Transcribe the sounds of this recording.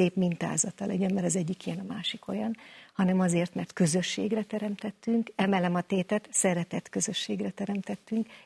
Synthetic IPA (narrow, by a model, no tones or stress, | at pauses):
eːpmint̪a̰ːzɒt̪ɒlɛɟømmɛɾɒzɛɟːikijɛnɒmaːʃiko̞̰jɒnhɒnɛmɒzeːrt̪mɛrt̪kø̞zø̞ʃːḛːɡrɛt̪ɛɾɛmt̪ɛt̪ːyŋkɛmɛlɛmɒt̪eːt̪ɛt̪sɛɾɛt̪ɛt̪kø̞zø̞ʃːeːɡrɛt̪ɛɾɛmt̪ɛt̪ːyŋk